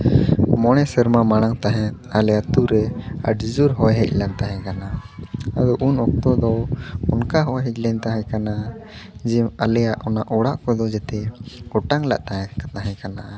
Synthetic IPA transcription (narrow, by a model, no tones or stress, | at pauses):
mɔɽ̃ɛsəɾmamaɽ̃aŋt̪aɦɛ̃ | alɛjat̪uɾɛə̰ɖid͡ʒuɾɦɔjɦɛc̚ˀlant̪aɦɛ̃kanaad̪ɔʔunɔk̚t̪ɔd̪ɔunkaɦɔjɦɛc̚ˀlɛnt̪aɦɛ̃kana | d͡ʒɛalɛjaʔɔnaʔɔɽaʔkɔd̪ɔd͡ʒɛt̪ɛɡɔʈaŋla̰ʔt̪aɛkat̪aɦɛ̃kana